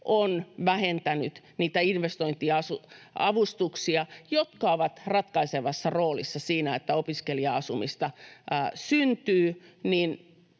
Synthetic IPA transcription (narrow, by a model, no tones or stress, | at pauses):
ʔonʋæhent̪ænyt̪ | niːt̪æinʋest̪oint̪iɑsuɑʋust̪uksiɑjot̪kɑoʋɑt̪rɑt̪kɑiseʋɑsːɑroːlḭsːɑsiːnæet̪ːæopiskeliɑɑsumist̪ɑ | synt̪yːnin